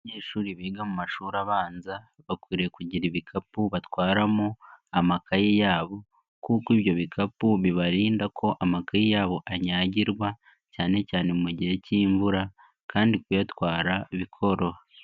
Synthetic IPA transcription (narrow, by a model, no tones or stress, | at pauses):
ɲeːʃuːɾiβiːɡamumaʃuːɾaβaːnza | βakwiːɾejekuɟiɾiβikʰapuβatwaːɾamuamakajijaːβo̞ | kuːkiβjo̞βikʰapuβiβaɾiːndakʰo̞ʔamakajijaːβo̞ʔaɲaːɟiɾɡwa | caːne̞caːne̞muɟihe̞ciːɱvuɾa | kʰaːndikujatwaːɾaiβikʰo̞ɾo̞